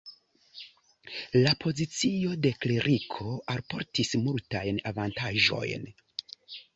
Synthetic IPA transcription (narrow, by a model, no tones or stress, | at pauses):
lapʰo̞zit͡sio̞de̞kleɾʔikʰo̞alpo̞̰ɾtismultajnavantaʒo̞̰jn